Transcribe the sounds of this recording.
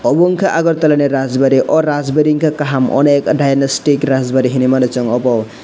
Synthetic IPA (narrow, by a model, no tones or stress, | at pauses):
ɔbɔŋkʰaʔaɡɔɾt̪ɔlaneɾazbaɾiʔɔɾazbeɾiŋkʰakaɦamɔ̰nekdajnɔsʈikɾazbaɾiɦinimanɔt͡ʃɔŋɔbɔw